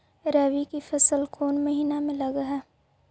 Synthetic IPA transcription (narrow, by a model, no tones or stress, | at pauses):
ɾɐʋikifɐsəlkʰoːnmɐɦiːnamẽlɐɡaɦɛː